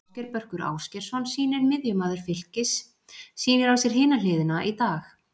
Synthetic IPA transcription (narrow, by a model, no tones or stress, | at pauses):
cɛɾpœr̥kʏɾa̰ːwscɛɾ̥sɔnsiːnɪɾmɪðjʏmaːðʏɾ̥fɪl̥cɪsː | iːnɪɾawsjɛɾ̥hɪːnalɪːðɪnaʔit̪aːx